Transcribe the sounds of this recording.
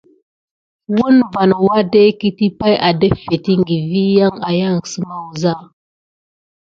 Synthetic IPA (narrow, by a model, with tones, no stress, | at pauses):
wu˦nva˨n˨wa˦de˦ki˦ti˦pa˦jʔa˨də˦fe˨ti˦ŋɡi˨vi˦ja˦ŋa˨ja˦˨ŋ˨sə˦ma˦wza˦˨